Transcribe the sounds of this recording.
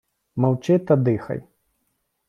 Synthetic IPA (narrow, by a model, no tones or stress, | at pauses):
mawt͡ʃɛt̪ɐd̪ɨxɐ̰j